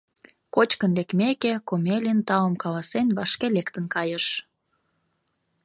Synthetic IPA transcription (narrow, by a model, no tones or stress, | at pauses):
kot͡ɕkənlekmekekomelint̪ɑləmkɑlɑsenβɑʃkelekt̪ənkɑjəʃ